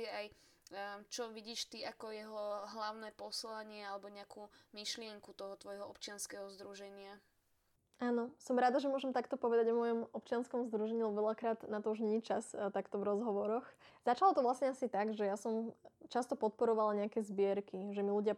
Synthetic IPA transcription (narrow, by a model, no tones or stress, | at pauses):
ɛaj | t͡ʃɔʋiɟiːʃt̪iakɔjɛɦɔɦlaʊnɛpɔslaɲɪɛalɛbɔɲɛakʰuːmiʃlɪɛŋkut̪ɔɦɔt̪ʋɔjɦɔɔpt͡ʃɪanskɛɦɔzd̪ɾuʒɛɲɪa | ʔaːnɔsɔmɾaːd̪aʒɛmʊɔʒɛmt̪akt̪ɔpɔʋɛd̪aɟɔmɔjɔmɔp̚t͡ʃɪanskɔmzd̪ɾuʒɛɲilɛbɔʋɛʎakɾaːd̪nat̪ɔuʒɲɛɲit͡ʃast̪akt̪ɔvɾɔzɦɔʋɔɾɔxz̥at͡ʃalɔt̪ɔʋlasɲɛasit̪aɡʒɛjasɔmt͡ʃast̪ɔpɔt̪̚pɔɾɔʋalaɲɛakɛːzbɪɛɾkiʒɛmiluɟɪa